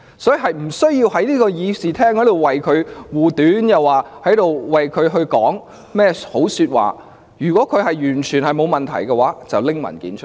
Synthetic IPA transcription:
sɔː˨˥ji˨˩ɦɐ˨jm̩˨˩sɵ˥ɥjiː˧whɐ˨˥jniː˥kɔː˧jiː˨˧siː˨t̪ʰɛː˥ŋhɐ˨˥t̪o˨˩wɐ˨jkʰɵ˨˧ɥwuː˨˩t̪yː˨˥njɐ˨waː˨˩hɐ˨˥jt̪o˨wwɐ˨jkʰɵ˨˧ɥɦɵ˧ɥkɔː˨˥ŋ | mɛː˥˩ho˨˥wsyː˧t̚wa̰ː˨˩ | jyː˨˩kɔː˨˥kʰɵ˨˧ɥɦɐ˨jjyː˨˩nt͡ʃʰyː˨˩nhɐ˨jmo˨˧wmɐ˨nt̪ʰɐ̰˨˩jkɛ˧waː˨˥t͡sɐ̰˨wlɪ˥ŋmɐ̰˨˩nkḭː˨˥nt͡ʃʰə˥˨

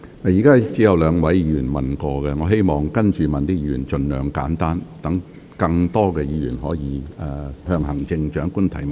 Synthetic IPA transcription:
mɐ˨jiː˨˩kaː˥t͡siː˨˥jɐ˨wlœː˨˧ŋwɐ˨˥jjiː˨˧˥jyː˨˩nmɐ˨nkɔː˧kɛ˧ŋɔː˨˧ɦe˥jmɔː˨˩ŋkɐ˥nt͡ʃyː˨mɐ˨nt̪iː˥jiː˨˧˩y̰ː˨˩nt͡ʃɵ˨˧nlœ̰ː˨˧ŋka̰ː˨˥nt̪aː˥nt̪ɐ˨˥ŋ | kɐ˧ŋt̪ɔː˥kɛː˧jiː˨˧jy̰ː˨˩nɦɔː˨˥jiː˨˧ɛ˧hœː˧ŋɦɐ˨˩ŋt͡sɪ˧ŋt͡ʃœ̰ː˨˥ŋku˥nt̪ʰɐ˨˥jm˨˩

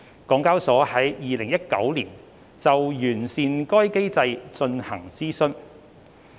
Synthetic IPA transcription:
kɔː˨˥ŋkaː˥wsɔː˨˥hɐ˨˥jjiː˨lɪ˨˩ŋjɐ˥t̚kɐ˨˥wliː˨˩n | t͡sɐ˨wjyː˨˩nsiː˨nkɔː˥jke˥jt͡sɐ˧jt͡sɵ˧nhɐ˨˩ŋt͡siː˥sɵ˥n

